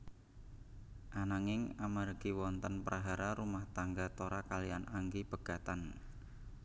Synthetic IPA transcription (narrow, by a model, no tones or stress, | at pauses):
ʔanaŋɪŋamarɡ̥iwɔnt̪ənpɾʔaɦaɾaɾumaht̪aŋɡat̪oɾakalianʔaŋɡib̥ə̤ɡ̥a̤t̪an